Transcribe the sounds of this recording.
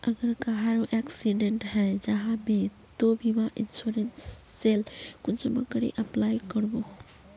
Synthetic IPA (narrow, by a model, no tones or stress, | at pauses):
əɡəɾkaɦaɾoʔɛksiɖeɳʈɦɛd͡ʒəɦãme | t̪obʱimaʔinsuɾensː | elkunsəmə̰kəɾḭʔəplajkəɾbo